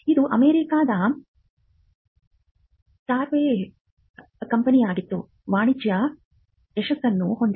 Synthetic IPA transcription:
id̪uʔɐmeːɾikaːd̪ɐ | t̪aːɾʋeː | kɐmpɐnijaːɡit̪ːṵ | ʋaːɳid͡ʒjɐ | ɛʃɐsɐnːuhond̪

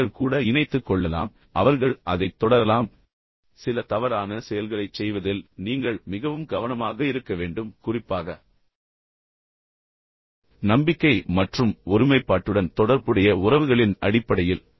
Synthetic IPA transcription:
ɐɭkuːɽɐɪnɐɪt̪ːɯkːɔɭːɐla̰ːm | ʔɐʋɐɾɣɐɭʔɐðɐɪt̪ːɔɽɐɾɐlaːm | sɪlɐt̪ɐʋɐɾaːnɐsɛjɐlɣɐɭɐɪt͡ʃsɛjʋɐðɪlniːŋɡɐɭmɪɣɐʋɯmɡɐʋɐnɐmaːɣɐɪɾɯkːɐʋeːɳɖɯmkʊrɪpːaːɣɐ | nɐmbɪkːɐɪmɐʈrɯmɔɾɯmɐɪpːaːʈːɯɽɐnt̪ɔɽɐɾbɯɽɐjɐʊrɐʋɯɣɐɭɪnɐ̰ɽɪpːɐɽɐjɪl

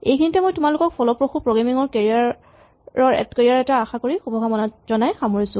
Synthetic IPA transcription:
ejkʰinitɛmojtʊmalʊkɔk̚pʰɔlɔpɹoxupɹoɡɹamiŋɔɹkeɹiaɹ | ɹɔɹɛ̰tkeɹiaɹɛtaːxakoɹixubʱɔɡʱamɔnatzɔnajxamoɹisʊ̃

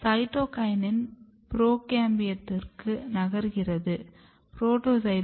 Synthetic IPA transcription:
sɐɪʈoːkɐjɐnɪn | pɾoːkaːmbɪjɐt̪ːɪrkɯnɐɣɐɾɯɣɪrɐðɯ | pɾoːʈoːsɐɪ

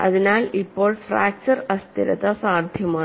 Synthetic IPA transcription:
ɐ̰ðinaːlipːoːɭfɾaːk̚t͡ʃɐɾɐst̪ḭɾɐ̰t̪ɐsaːɾd̪ʱjɐmaː

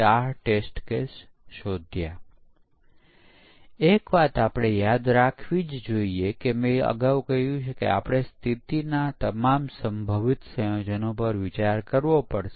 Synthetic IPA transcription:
aʈesʈkes | ʃod̪ʱja | ekʋat̪apɽ̃ejad̪ɾakʰʋid͡ʒd͡ʒoiekemẽə̰ɡaʋkəɦjũt͡ʃʰekḛa̰pɽ̃est̪ʰit̪inat̪əmamsəmbʱəʋɪt̪səjod͡ʒənopəɾʋɪt͡ʃaɾkəɾʋopəɽʃe

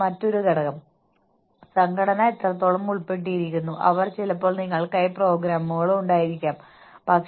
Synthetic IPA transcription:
mɐtːo̞ɾuɡɐɽɐɣɐm | sɐŋkʰɐɽɐnaet̪ːrɐt̪ːo̞ːɭɐmːuɭpe̞ʈ̬ːijiɾikʲːunːuʔɐ̰ʋɐrt͡ɕilɐpːoːɭniŋːɐɭkɐjpro̞ːɡɾaːmːuɣɐɭuɳɖaːjiɾikʲːaːm | bʱɐːk

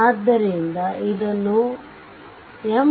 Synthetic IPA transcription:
aːd̪ːɐɾiind̪ɐid̪ɐnːu | em

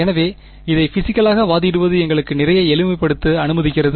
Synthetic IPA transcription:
ɛnɐʋeː | ɪðɐɪfɪsɪkːɐɭaːɣɐʋaːðɪɽɯʋɐðɯɛŋɡɐɭɯkːɯnɪrɐjɐɛɭɯmɐɪpːɐɽɯt̪ːɯɐnɯmɐðɪkːɪrɐðɯ

